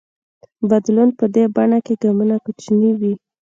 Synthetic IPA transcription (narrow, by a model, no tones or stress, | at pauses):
bad̪lunpəd̪ebaɳakeɡamunakut͡ʃniwi